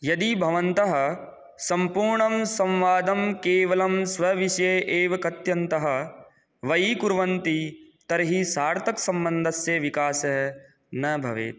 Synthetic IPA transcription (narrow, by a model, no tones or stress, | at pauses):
jɐd̪ibʱɐʋɐnt̪ɐɦɐ̆ | sɐmpuːɾɳɐmsɐ̃mʋaːd̪ɐmkeːʋɐlɐmsʋɐʋiʃjeːʔeːʋɐkɐt̪jɐnt̪ɐɦɐ̆ | ʋɐjikuɾʋɐnt̪it̪ɐɾɐɦisaːɾt̪ʰɐksɐ̃mbɐnd̪ʱɐsjɐʋikaːsɐɦɐ | nɐbʱɐʋḛːt̪